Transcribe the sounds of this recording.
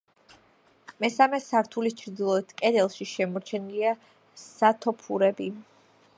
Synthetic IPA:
mɛsamɛsaɾt̪ʰulist͡ʃʰɾd̪ilˠɔit̪ʰkʼɛd̪ɛlˠʃiʃɛmɔɾt͡ʃʰɛnilia | sat̪ʰɔpʰuɾɛbi

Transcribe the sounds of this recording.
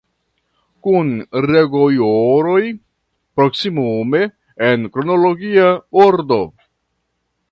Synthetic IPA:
kunɾeɡojoɾo̞j | pɾo̞ksimume̞ː | nkɾonoloɡiaboɾdo̞

